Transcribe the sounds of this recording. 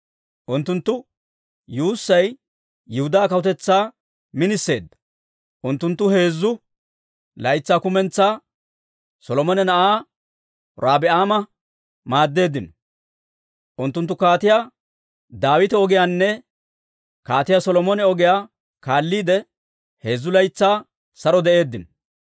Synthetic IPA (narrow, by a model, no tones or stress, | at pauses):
ʔʊnt̪ːʊnt̪ːʊ | juːsːɐj | jɪhʊd̪aːkɐwʊt̪ɛt͡sːaː | mɪnɪsːe̞ːd̪ːɐ̥ | ʔʊnt̪ːʊnt̪ːʊhe̞ːzːʊ | lɐjɪt͡sːaːkʊmɛnt͡sːaː | sɔlɔmɔnɛnɐʔaː | ɾaːbɪaːmɐ | maːd̪ːe̞ːd̪ːɪnɔ̥ | ʔʊnt̪ːʊnt̪ːʊkaːt̪ɪjaː | d̪aːwɪt̪ɛɔɡɪjaːnːɛ | kaːt̪ɪjasɔlɔmɔnɛɔɡɪjaː | kaːlːiːd̪ɛ | he̞ːzːʊlɐjt͡sːaː | sɐɾɔd̪ɛʔe̞ːd̪ːɪnɔ